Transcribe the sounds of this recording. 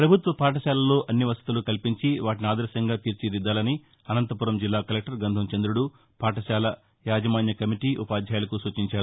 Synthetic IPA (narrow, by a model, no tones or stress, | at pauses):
pɾɐbʱut̪ʋɐpaːʈ̬ɐʃaːlɐlo̞ːʔɐnːiʋɐst̪it̪ulukɐlpiɲt͡ʃiʋaːʈiniaːd̪ɐɾʃɐŋɡaːt̪iːɾt͡ʃid̪id̪ːaːlɐni | ɐnɐnt̪ɐpuɾɐmd͡ʒilːaːkɐlek̚ʈɐɾɡɐnd̪ʱɐmt͡ʃɐnd̪ɾuɽu | paːʈɐʃaːlɐ | jaːd͡ʒɐmaːnjɐkɐmiʈiːʔupaːd̪ʱjaːjɐlɐkusuːt͡ʃiɲt͡ʃaːɾu